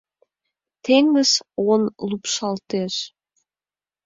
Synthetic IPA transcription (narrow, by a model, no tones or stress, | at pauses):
t̪eŋə̆sonlupʃɑlt̪eʃ